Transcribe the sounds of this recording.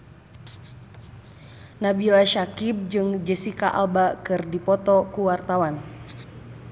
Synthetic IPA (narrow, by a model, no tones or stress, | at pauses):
nabilaʃakib̚d͡ʒɨŋd͡ʒəsikaʔa̰lbakɨrdipɔt̪ɔkuwart̪awan